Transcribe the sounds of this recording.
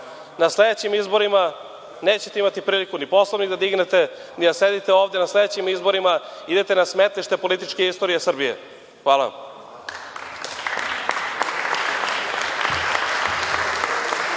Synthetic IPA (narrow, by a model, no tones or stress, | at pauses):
nasled̪et͡ɕimizbo̞ɾima | neːt͡ɕet̪e̞imat̪ipɾiːlikunipo̞slˠoʋnid̪ad̪iɡnet̪e̞ | nid̪ased̪it̪eoːvd̪e̞nasled̪et͡ɕimizbo̞ɾimaid̪et̪enasmet̪lˠiʃt̪e̞po̞lit̪it͡ʃkeist̪o̞ɾijesr̩bijḛ | xʋaːla̰